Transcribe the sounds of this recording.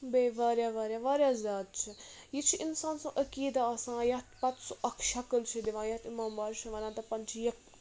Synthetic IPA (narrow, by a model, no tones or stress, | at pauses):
beːʋaːɾjaʋɐːɾʲjaʋaːɾjaːzʲaːd̪̚t͡ʃʰijit͡ʃʰiʔinsaːnsɐ̃ʔəkiːd̪aɐsãːjɐt̪pɐt̪suʔɐkʰʃɐkəlt͡ʃʰid̪iʋãːjɐt̪imaːmbaːɾʃʰiʋɐnaːt̪ɐpɐnt͡ʃʰijɐk